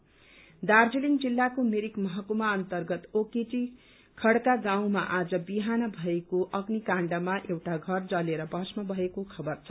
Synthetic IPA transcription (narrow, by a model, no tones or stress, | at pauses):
d̪ard͡ziliŋd͡zilːakomeɾikmʌɦʌkumaʌnt̪ʌrɡʌt̪okeʈi | kʰʌɽkaɡaw̃maʔad͡zʌbiɦanʌbʱʌekoʔʌɡnikãɳɖʌmaʔewʈaɡʱʌrd͡zʌleɾʌbʌsmʌbʱʌekokʰʌbʌrt͡sʰʌ